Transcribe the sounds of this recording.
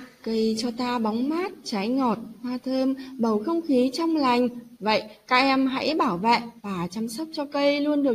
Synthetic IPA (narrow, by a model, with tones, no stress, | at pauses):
kə˧jt͡ɕɔ˧t̪aː˧ɓɔ˨˦wŋ͡mmaː˦˥t̚t͡ɕaː˨˦jŋɔ˨˩t̚hwaː˧t̪ʰəː˧mɓə˧˩wxə˧wŋ͡mxi˨˦t͡ɕə˧wŋ͡mla˨˩jŋ̟və̰˧˨jkaː˦˥k̚ʔɛ˧mɦa̰˧˥jɓaː˧˩wvḛ˧˨vaː˨˩t͡ɕa˨˧˦msə˦˥p̚t͡ɕɔ˧kə˧jlu˧ənɗɨ˨˩ə